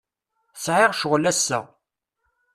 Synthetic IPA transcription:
sʕɪʁʃʊʁlæsːæ̰

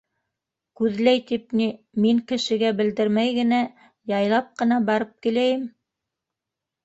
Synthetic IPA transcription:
kʉðlæjt̪ip̚ni | miŋkɘ̆ʃɘ̆ɡæbɘ̆ld̪ɘɾmæjɡɘ̆næ | jɑjlˠɑp̚qɤ̆nɑbɑɾɤp̚kilæjɘm

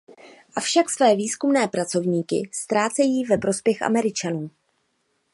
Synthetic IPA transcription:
ʔafʃaksvɛːviːskumnɛːpɾat͡so̞vɲiːkɪ̰st̪ɾaːt͡sɛjiːvɛpɾo̞spjɛxʔa̰mɛɾɪt͡ʃanuː

